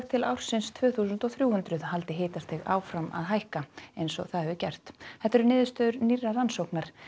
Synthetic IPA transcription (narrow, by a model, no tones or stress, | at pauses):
ɣt̪ʰɪlawɾ̥sɪnst̪ʰvœːθus̬ʏnt̪ɔwθɾjuːhʏnt̪ɾʏðhal̪t̪ɪɦeːjt̪ast̪ɪɣa̰ːwfɾama̰ðɦajhkaejnsɔ̰θaðɛvʏcɛr̥t̪θɛht̪ːɛɾʏnɪːðʏst̪œːðʏɾnirːaransowknaɾ̥